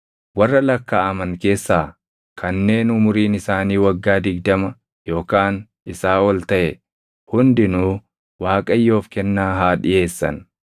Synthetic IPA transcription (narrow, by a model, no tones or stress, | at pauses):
wɐrːɐlɐkːaːʔɐmɐŋke̞ːsːaː | kʰɐnːe̞ːnʊmʊɾiːnɪsaːniːwɐɡːaːd̪ɪɡd̪ɐmɐ | jo̞ːkaːn | ɪsaːɔlt̪ɐʔɛ | hʊnd̪ɪnuː | waːkʼɐjːo̞ːfkɛnːaːɦaːᶑɪʔe̞ːsːɐ̰n